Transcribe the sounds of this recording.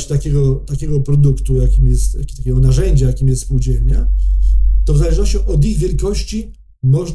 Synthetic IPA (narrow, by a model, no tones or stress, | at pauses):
t͡ɕt̪akʲɛɡɔt̪akʲɛɡɔpɾɔd̪ukt̪ujakʲimjɛst̪jakʲt̪akʲɛɡɔnaʐɛɲd͡ʑajakʲimʲjɛst̪spuwd͡ʑɛlnɛ | t̪ɔvzalɛʐnɔɕt͡ɕɔ̃wʔɔd̪iɣvʲjɛlkɔɕt͡ɕi | mɔʐn